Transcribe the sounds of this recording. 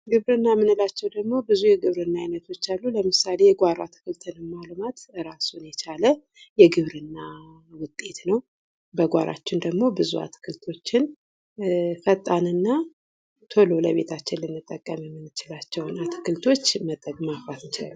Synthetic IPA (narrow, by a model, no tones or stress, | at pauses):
ɡɨβɾɨnːamɨnɨlat͡ʃːɛwd̪əɡmo̞bɨzujɛɡɨβɾɨnːaajnət̪ʰo̞t͡ʃːalːuləmɨsale̞jɛɡʷaɾa̰t̪ʰɨ̥kɨlt̪ʰɨnɨmalmat̪ɨɾasunjɛt͡ʃʰalə | jɛɡɨβɾɨnːa | wʊt̪ʼːe̞t̪nəw | bəɡʷaɾa̰t͡ʃːɪnd̪əɡmo̞bɨzua̰t̪ʰɨ̥kʰɨlt̪ʰo̞t͡ʃːɪn | fət̪ʼːanɨnːa | t̪ʰo̞lo̞ləβe̞t̪ʰat͡ʃːɪnlɨnːɨt̪ʼːəkʼːəmjɛmːɨnːɨt͡ʃɪlat͡ʃːɛwnat̪ʰɨ̥kɨlt̪ʰo̞t͡ʃːmət̪ʼːəɡʼmafat̪ɨnt͡ʃal